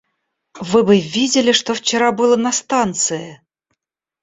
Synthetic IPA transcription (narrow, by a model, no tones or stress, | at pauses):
vɨbɨvʲidʲɪlʲɪʂt̪oft͡ɕɪɾabɨlˠənɐst̪ant̪sɨɪ